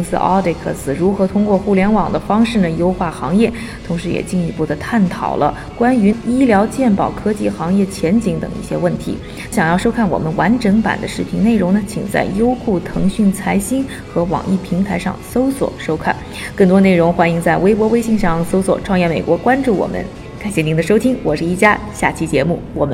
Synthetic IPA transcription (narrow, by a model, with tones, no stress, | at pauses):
ŋsɹ̩̰˧ʔɑ̰˥d̪e˧˩kʰɤ̰˥˩sɹ̩˨˩ɻu˧˥xɤ˧˥t̪ʰʊ˥ŋkwɔ˥˧xu˥˩ljɛ˧˥nwɑ˨˩ŋd̪ə˦fɑ˥ŋʂɻ̩˥˩nə˩jo˥ʊxwa˥˩xɑ˧˥ŋjɛ˥˩ | t̪ʰʊ˧˥ŋʂɻ̩˧˥jɛ̰˨˩t͡ɕi˥˩ni˧˥pu˥˩d̪ə˩t̪ʰa˥˩nt̪ʰɑ̰˨˩ʊlʔə̰˦ | kwa˥ny˧˥i˥ljɑ˧˥ʊt͡ɕjɛ˥˩npɑ˨˩ʊkʰɤ˥t͡ɕi˥˩xɑ˧˥ŋjɛ˥˩t͡ɕʰjɛ˧˥nt͡ɕi˧˥ŋt̪ɤ̰˨˩ŋḭ˥˩ɕjɛ̰˥wə˥˩nt̪ʰḭ˧˥ | ɕjɑ˨˩ŋjɑ˥˧ʊʂo˥ʊkʰa˥˩nwɔ̰˨˩mə˦nwa˧˥nʈ͡ʂɤ˧˥ŋpa̰˨˩nd̪ə˦ʂɻ̩˥˩pʰi˧˥ŋne˥˩ɪɻʊ˧˥ŋnə˧t͡ɕʰḭ˨˩ŋt͡sa̰˥˩ɪjo˥ʊxu˥˩t̪ʰɤ˧˥ŋɕy˥˩nt͡sʰa˧˥ɪɕi˥n | xɤ˧˥wɑ̰˨˩ŋʔḭ˥˩pʰi˧˥ŋt̪ʰa˧˥ɪʂɑ̰˥˧ŋso˥ʊswɔ̰˨˩ʂo˥ʊkʰa̰˥˩n | kɤ˥˩ŋt̪̬wɔ˥ne˥˩ɪɻʊ˧˥ŋxwa˥ni˧˥ŋt͡sa˥˩ɪwe˥ɪpwɔ˧˥we˥ɪɕi˥˧ŋʂɑ˥˩ŋso˥ʊswɔ̰˨˩ʈ͡ʂʰwɑ˥˧ŋjɛ˥˩nme˨˩ɪkwɔ˧˥kwa˥nʈ͡ʂu˥˩wɔ̰˨˩mʔə̰˦n | ka˨˩nɕjɛ˥˩ni˧˥nd̪ə˧ʂ̬o˥ʊt̪ʰi˥ŋwɔ˨˩ʂɻ̩˥˧i˥˩t͡ɕja˥ɕja˥˩t͡ɕʰi˥t͡ɕjɛ˧˥mu˥˩wɔ˨˩mə˦